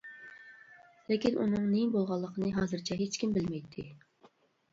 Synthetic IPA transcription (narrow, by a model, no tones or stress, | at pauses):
lɪkʲinʔṵnɨŋnebolˠʁɑlˠːəqʰənɨɦɑːzɨɾt͡ʃʰɛɦet͡ʃkʲimbɪlmɛjt̪ʰːɪ